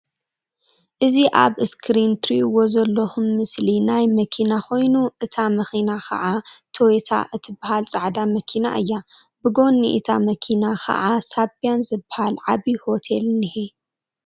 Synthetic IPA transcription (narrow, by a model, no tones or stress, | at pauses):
ʔɨziʔa̰βɨskʰɾint̪ɾiwozɐlːɐxumːɨslinajmɐkʰinako̞jnuʔɨt̪ʰamɐxinakʰɐ̰ʕat̪ʰoet̪ʰa̰ʔɨt̪ʰɨbːahalt͡sʼaʕd̪amɐkʰina̰ʔɨjːa | bɨɡo̞nːḭʔḭt̪ʰa̰mɐkʰinakʰɐ̰ʔasabijanzɨbahalʕaβiho̞t̪ʰelnɨhi